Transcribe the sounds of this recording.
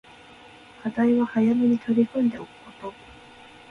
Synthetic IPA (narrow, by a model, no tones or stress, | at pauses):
kʰad̪aiβahajameɲ̟it̪ʰo̞ɾʲikõnd̪e̞okɯ̟̥ko̞t̪o